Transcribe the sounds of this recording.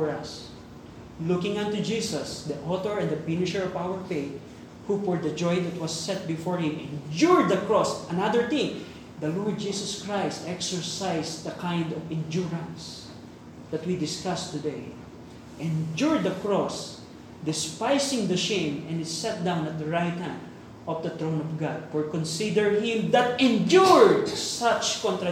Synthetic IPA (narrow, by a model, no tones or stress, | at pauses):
ɔɹɐs | lʊkɪ̃ŋãnt̪ud͡ʒiːsɐsd̪iʔɔt̪ɔɹɛ̃nd̪ɐpɪnɪʃɛɹɔvawəɹfeɪt̪̚ | hufɔɹd̪ɐd͡ʒɔjd̪ɐt̪̚wʌsːɛt̪̚bɪfɔɹhɪ̃mɛ̃nd͡ʒuɹd̪d̪ɐkɹɔsɐnad̪əɹt̪ɪ̃ŋ | d̪ɐlɔɹd̪̚d͡ʒisɔskɹajst̪ɛksɛɹsajsd̪ɐkãjnd̪ɔvɛ̃nd͡ʒuɹɐ̃ns | d̪ɐt̪̚wid̪ɪskast̪ʊd̪ej | ʔɛ̃nd͡ʒuɹd̪̚ːɐkɹɔs | d̪ɪspajsɪ̃ŋd̪ɐʃẽmɛ̃nɪsɛt̪̚d̪ãw̃nɐt̪̚d̪ɐɹajt̪̚hæ̃nd̪ | ɔfd̪ɐt̪ɹõwnɔvɡad̪̚pɔɹkɔ̃nsid̪ɛɹhɪ̃md̪at̪̚ɛ̃nd͡ʒuɹd̪sat͡ʃkɔ̃nt̪ɾa